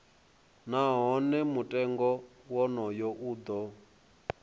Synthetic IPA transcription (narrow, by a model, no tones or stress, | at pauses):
naɦɔnɛmutʼɛŋɡɔwɔnɔjɔʔuːd̪ɔ